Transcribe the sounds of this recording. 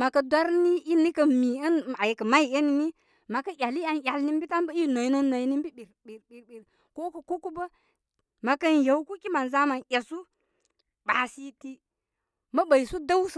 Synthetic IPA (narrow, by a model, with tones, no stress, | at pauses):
ma˨kɐ˨dʷa˦ɾni˦i˦ni˦kɐ˨mi˨ɐ˦n˨a˨jkə˨ma˦i˦e˦ni˦ni˦ | ma˨kɐ˦ʔʲa˨li˦a˨njʲa˨lni˦m˦bi˦ta˦m˦bə˦i˦no˨jno˦no˨i˦ni˦m˦bi˦bi˨ɾbi˨ɾbi˨ɾbi˨ɾ | ko˦kɐ˨ko˦ku˦bə˦ | ma˨kɐ˦nja˨wku˦kʲi˦ma˨n˨za˦ma˨nʔʲa˨su˦ | ba˨si˦ti˦ | mɐ˦ba˨jsu˦da˦ws